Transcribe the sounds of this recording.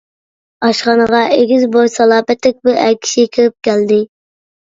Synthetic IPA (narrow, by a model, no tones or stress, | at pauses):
ɑʃχɑnəʁɑʔeɡʲizbojsɑlˠɑːpɛt̪ːɪk̚ʲbuʔækʲʰi̥ʃikʲʰøɾɪp̚kʲʰæld̪ɪ